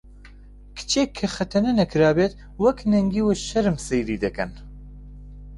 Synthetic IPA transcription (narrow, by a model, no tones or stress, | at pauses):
kʰɨ̥t͡ʃʰeːkʰːɐxɐt̪ʰɐnɛnɐkʰɨɾaːbeːt̪ | wɐknɛŋɡiːweʃɐɾɨmsɛjɾiːd̪ɛkɐ̰n